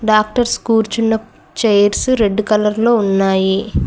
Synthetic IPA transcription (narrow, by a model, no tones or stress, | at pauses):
ɖaːk̚ʈɐɾskuːɾt͡ʃunːɐ | t͡ʃɐjɐɾsuɾe̞ɖːukɐlɐɾlo̞ːunːaːji